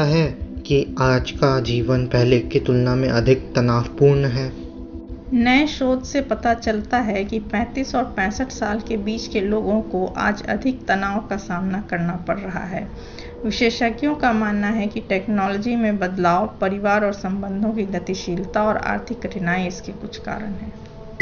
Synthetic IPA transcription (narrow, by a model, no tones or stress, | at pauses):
aɦɛkiaːd͡ʒkad͡ʒiːʋənpɛɦlekit̪ʊlnamẽʔɐd̪ʱɪk̚t̪ɐnaːfpuːɾnɦɛː | nɐɛʃoːd̪sepɐt̪at͡ʃɐlt̪aɦɛkipɛ̃ːt̪iːsɔːɾpɛ̃ːsəʈʰsaːlkebiːt͡ʃkeloːɡõkoʔa̰ːd͡ʒɐ̰d̪ʱɪk̚t̪ɐnaːõkasaːmnakɐɾnapɐɽːɐɦa̰ɦɛː | ʋɪʃeːʃəkjõkamaːnːaɦɛkiʈɛːknɔːlɔd͡ʒimẽbɐd̪laːopɐɾɪʋaːɾɔːɾsɐ̃mbə̃nd̪ʱõk̬iɡɐt̪iʃiːlt̪aɔːɾa̰ːɾt̪ʰɪkɾɪnaːiɪskekʊt͡ʃʰka̰ːɾəɽɦɛː